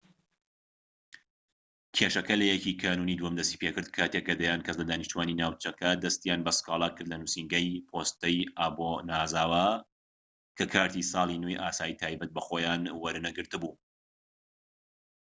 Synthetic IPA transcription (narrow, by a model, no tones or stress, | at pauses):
kʰeːʃɐkɐlɐjɛkiːkʰaːnunid̪uhɐmd̪ɐst̪i̥ːpʰekɨɾd̪̚kʰaːt̪ekːɐd̪ɐjaːnkʰɐzlɐd̪aːniʃt̪uwaːninaːwt͡ʃɐkʰɐd̪ɐst̪ijaːnbɐskɑːlˠakɨɾd̪lɐnuːsiŋɡɐjpʰoːst̪ɐjaːbonaːzaːwa | kʰɐkʰaːɾt̪isɑːlˠinejʔaːsaːjit̪ʰaːjbɐt̪̚bɐxojaːnwɐɾɨnɐɡɨɾt̪ɨbuː